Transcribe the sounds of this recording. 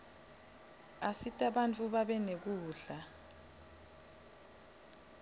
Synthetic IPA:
asitʼaɓant͡fʼuɓaɓɛnek̬uːɬa

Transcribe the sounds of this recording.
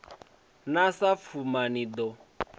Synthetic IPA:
nasap̪fʰumanidɔ

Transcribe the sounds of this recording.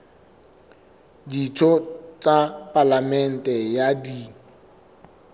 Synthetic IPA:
ditʰɔt͡sʼapʼalamɛn̩tʼɛjadi

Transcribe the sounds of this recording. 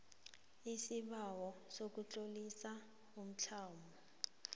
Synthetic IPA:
isiɓawɔsok̬ut͡ɬʼolisa | um̩t͡ɬʰaːmbɔ

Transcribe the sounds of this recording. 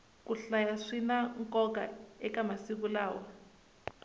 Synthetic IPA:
kuɬajaʂinaŋkʼɔk̬a̰ɛkamasik̬ulaːwa

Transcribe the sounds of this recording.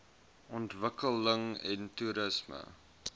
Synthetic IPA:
ʔɔntvəkələŋɛ̰ntuɾəsmə̰

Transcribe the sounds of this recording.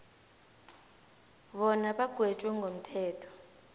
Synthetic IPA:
ɓɔnaɓaɡ̥ʱwet͡ʃʼwɛŋɡʱom̩tʰɛːtʰɔ̥

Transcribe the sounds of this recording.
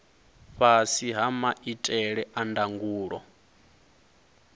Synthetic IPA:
ɸasiɦamaʔitʼɛɺɛʔandaŋɡuːɺɔ̰

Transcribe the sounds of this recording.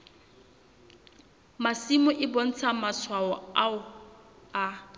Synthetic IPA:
masimʊʔɪbɔn̩t͡sʰamaswaɔaʊ | a

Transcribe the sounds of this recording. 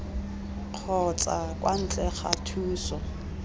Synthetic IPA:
q͡χʰɔt͡sʼakʼwan̩t͡ɬʼɛχatʰuːsɔ

